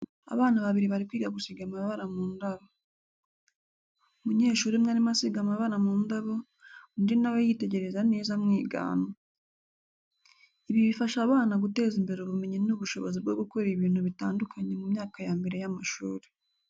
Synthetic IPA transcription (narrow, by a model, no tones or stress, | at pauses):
a̰βaːnaβaβiɾiβaɾikwiːɡaɡusiɡamaβaɾamuːndaβo | umuɲe̞ːʃuːɾimŋaːɾimasiɡamaβaɾamuːndaβo̞ | ndinaβojite̞ɟe̞ɾe̞zane̞ːzamŋiːɡa̰ːno | iβiβifaʃaβaːnaɡute̞ːzimbe̞ɾoβume̞ɲenuβuʃo̞βozib̚ɡo̞ɡuko̞ɾiβiːnhuβitaːndukʰaɲe̞mumɲaːkajaːmbiɾejamaʃuːɾi̥